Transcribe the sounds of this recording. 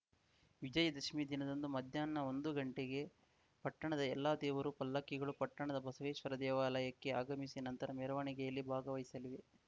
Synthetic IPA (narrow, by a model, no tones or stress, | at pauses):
ʋid͡ʒɐjɐd̪ɐʃmiːd̪inɐd̪ɐnd̪umɐd̪ʱjaːnːɐo̞nd̪uɡɐɳʈeɡe̞ | pɐʈːɐɳɐd̪ɐɛlːaːd̪ɛːʋɐɾupɐlːɐkːiɡɐɭupɐʈːɐɳɐd̪ɐbɐsɐʋeːʃʋɐɾɐd̪ɛːʋaːlɐjɐkːe̞aːɡɐmisinɐnt̪ɐɾɐmɛɾɐʋaːɳikɛjɐlːibʱaːɡɐʋɐjisɐliʋe̞